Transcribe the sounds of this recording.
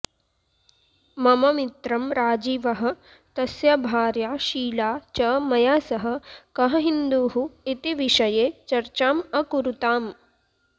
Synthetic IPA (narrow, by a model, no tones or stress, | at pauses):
mɐmɐmit̪ɾɐmɾaːd͡ʒiːʋɐɦɐ̆ | t̪ɐsjɐbʱaːɾjaːʃiːlaːt͡ʃɐmɐjaːsɐɦɐ̆kɐɦɐɦind̪uːɦuit̪iʋiʃɐjeːt͡ʃɐɾt͡ʃaːmɐkuɾut̪aːm